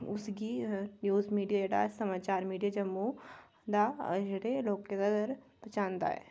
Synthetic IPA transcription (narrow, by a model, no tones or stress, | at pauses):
ʊsɡinjuːzmiːɖijaeɽa̰sɐmaːt͡ʃaːɾmiːɖijad͡ʒɐmːu | d̪ad͡ʒɽeloːɡkenɐɡəɾpɐt͡ʃãːnd̪a̰ɦɛ̰ː